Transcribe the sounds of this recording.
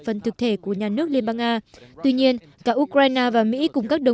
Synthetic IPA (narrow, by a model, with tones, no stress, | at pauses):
fə˨˩nt̪ʰɨ˨˩k̚t̪ʰe˧˩ku˧˩əɲaː˨˩nɨ˦˥ək̚li˧ənɓaː˧ŋʔaː˧t̪wi˧ɲi˧ən | kaː˧˩ʔu˧˥kɾaː˧jnaː˧vaː˨˩mḭ˧˥kʊ˨˩ŋ͡mkaː˦˥k̚ɗə˨˩